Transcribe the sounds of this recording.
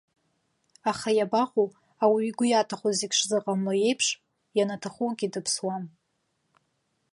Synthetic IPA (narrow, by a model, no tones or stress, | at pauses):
aχajabaχʷu | awiːɡʷʊjatʰaχozikʲʂzɨqʼamloje̞jpʰʂ | janatʰaχuɡʲʼidɨpʰswan